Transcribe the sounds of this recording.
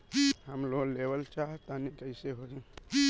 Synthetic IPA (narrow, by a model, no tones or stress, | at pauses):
ɦəmloːlebəlt͡ʃaɦt̪anikəɪseɦod͡ʒi